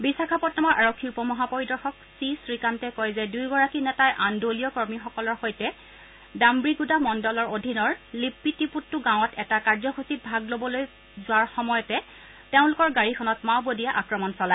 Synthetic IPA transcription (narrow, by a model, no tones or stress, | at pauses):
bisakʰapɔtnamɔɹʔaɹokʰːiupɔmɔɦapoɹidɔɹxɔksisɹikantɛkɔjzɛdujɡɔɹakinɛtajʔandoliɔkɔɹmixɔkɔlɔɹxojtɛ | dambɹiɡudamɔndɔlɔɹodʱinɔɹlipːitiputːʊɡãwʊ̃ɔtɛtakaɹzɔxusit̚bʱaɡlobɔloj | zʊwaɹxɔmɔjɔtɛ | teʊ̃lʊkɔɹɡaɹikʰɔnɔtmawbodijaʔakɹɔmɔnsɔla